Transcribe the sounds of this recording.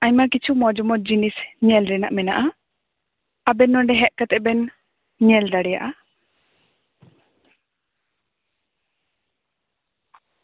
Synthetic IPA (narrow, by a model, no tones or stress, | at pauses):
aɲmakit͡ʃʰumɔd͡ʒɔmɔd͡ʒinisɲɛlɾɛnaʔmɛnaʔa | abɛnɔɳɖɛɦɛʔkat̪ɛbɛn | ɲɛld̪aɽɛja̰ʔa